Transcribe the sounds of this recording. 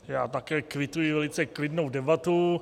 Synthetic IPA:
ja̰ːt̪akɛːkvɪt̪ujɪvɛlɪt͡sɛklɪdnowdɛbat̪u

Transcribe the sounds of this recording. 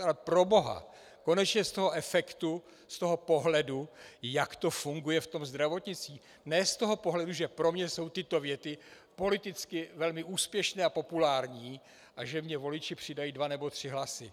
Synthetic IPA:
alɛpɾo̞bo̞ɦa̰ | ko̞nɛt͡ʃɲɛst̪o̞ɦo̞ʔɛfɛkt̪u | st̪o̞ɦo̞po̞ɦlɛdujakt̪o̞fuŋɡujɛft̪o̞mzd̪ɾavo̞t̪ɲɪt͡siː | nɛːst̪o̞ɦo̞po̞ɦlɛduʒɛpɾo̞mɲɛso̞wt̪ɪt̪o̞vjɛt̪ɪ | po̞lɪt̪ɪt͡skɪvɛlmɪʔuːspjɛʃnɛːapo̞pulaːɾɲiː | ʔaʒɛmɲɛvo̞lɪt͡ʃɪpr̥ɪdajiːdvanɛbo̞t̪r̝̥ɪɦlasɪ

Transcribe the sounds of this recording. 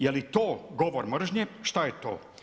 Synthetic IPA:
jelit̪oːɡoʋoɾmr̩ʒɲeʃt̪ajet̪o̰ː

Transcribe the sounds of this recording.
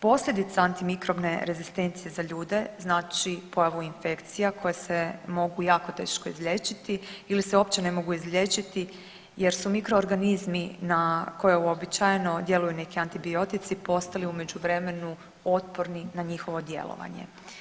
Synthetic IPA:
po̞sʎʲe̞d̪it̪saant̪imikɾo̞bne̞ɾe̞zist̪e̞nt̪sije̞zaʎuːd̪e̞znaːt͡ʃipo̞jaʋuinfe̞kt̪sijakʰo̞jesemo̞ɡujaːko̞t̪e̞̰ːʃko̞izlʎʲe̞t͡ʃit̪iiliseo̞p̚t͡ɕe̞ne̞mo̞ɡuizʎʲet͡ʃit̪i | je̞ɾsumikɾo̞ːɾɡanizminako̞jeuobit͡ɕajeno̞d̪je̞lujune̞kiant̪ibio̞t̪it̪sipo̞st̪aliume̞d͡ʑuʋɾe̞me̞nu | o̞t̪po̞ɾninaɲixo̞ʋo̞d̪je̞̰lo̰ʋa̰ɲḛ

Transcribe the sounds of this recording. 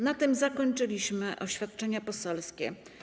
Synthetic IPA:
nat̪ɘmzakɔɲt͡ʂɘlʲiɕmɘʔɔɕfʲjat̪̚t͡ʂɛɲapɔsɛlskʲɛ̰

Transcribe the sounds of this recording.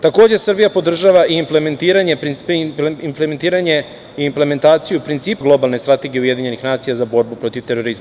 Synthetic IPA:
t̪ako̞ːd͡ʑesr̩bijapo̞d̪r̩ʒaʋaʔiimplement̪iːɾaɲe | implement̪iːɾaɲe̞ | iːmple̞me̞nt̪aːt̪sijupɾint̪siːpɡlˠo̞balˠne̞st̪ɾat̪e̞ɡieuje̞d̪iːɲe̞nixnaːt̪sijazabo̞ɾbupɾo̞t̪iʋt̪e̞ɾo̞ɾizma

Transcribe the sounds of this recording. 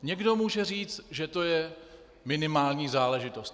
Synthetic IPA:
ɲɛɡdo̞muːʒɛr̝iːt͡st̪ʒɛt̪o̞jɛ | mɪnɪmaːlɲiːzaːlɛʒɪt̪o̞st̪

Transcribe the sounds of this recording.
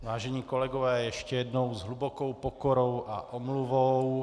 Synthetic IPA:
ʋaːʒɛɲiːkɔlɛɡɔʋɛːjjɛʃcɛjɛd̪nɔwzɦlubɔkɔwpɔkɔɾɔwʔa̰ʔɔmluʋɔw

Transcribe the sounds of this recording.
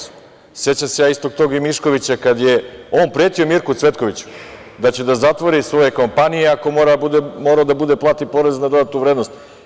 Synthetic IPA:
se̞t͡ɕamse̞jaːist̪o̞ɡ̚t̪o̞ːɡimiʃko̞ʋit͡ɕakad̪je̞oːnpɾeːt̪io̞miɾkut̪sʋe̞t̪ko̞ʋit͡ɕu̥ | d̪at͡ɕed̪azat̪ʋoɾisʋo̞je̞ko̞mpanijeako̞mo̞ːɾabud̪emoːɾaod̪abud̪e̞plˠat̪ipo̞ɾe̞znad̪o̞d̪at̪nuʋɾed̪no̞st̪

